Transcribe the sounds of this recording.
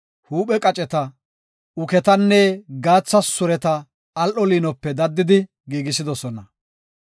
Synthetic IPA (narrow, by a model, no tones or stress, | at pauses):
huːɓɛkʼɐt͡ʃʼɛt̪ɐ | ʊkɛt̪ɐnːɛɡaːt͡sːɐsʊɾɛt̪ɐː | lʔɔliːnɔpːɛd̪ɐd̪ːɪd̪ɪ | ɡiːɡɪsɪd̪ɔsɔnɐ